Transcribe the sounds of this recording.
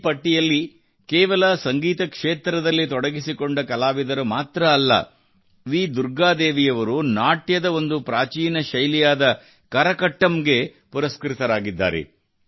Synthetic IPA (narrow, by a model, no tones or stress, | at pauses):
pɐʈːijɐlːi | keːʋɐlɐsɐŋɡiːt̪ɐkʂeːt̪ɾɐd̪ɐlːit̪ɔɽɐɡisiko̞ɳɖɐkɐlaːʋid̪ɐɾumaːt̪ɾɐːlːɐ̰ | ʋiːd̪uɾɡaːd̪eːʋijɐʋɐɾunaːʈjɐd̪ɐo̞nd̪upɾaːt͡ʃiːnɐʃɐjlijaːd̪ɐ | kɐɾɐkɐʈːɐmɡe̞ | puɾɐskɾit̪ɐɾaːɡid̪ːa̰ːɾḛ